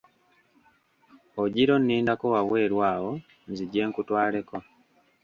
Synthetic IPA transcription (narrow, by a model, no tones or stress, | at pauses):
oɟiɾo̞nːiːndakowawe̞ːɾwaːwo̞ | nziɟːe̞ːŋkutwaːle̞ko̞